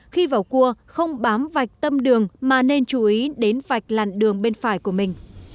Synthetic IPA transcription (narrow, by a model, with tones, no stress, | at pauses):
xi˧vaː˨˩wku˧əxə˧wŋ͡mɓaː˨˦mva˨˩jk̚t̪ə˧mɗɨ˨˩əŋmaː˨˩ne˧nt͡ɕu˨˦ʔi˨˦ɗe˨˦nva˨˩jk̟̚la̰ː˨˩nɗɨ˨˩əŋɓe˧nfaː˧˩jku˧˩əmï˨˩ŋ̟